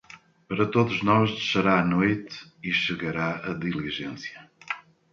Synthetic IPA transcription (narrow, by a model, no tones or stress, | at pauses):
pɐɾɐt̪oðuʒnɔʒðɨʃɐɾaːnojt̪iʃɨɣɐɾaɐðilˠiʒẽsjɐ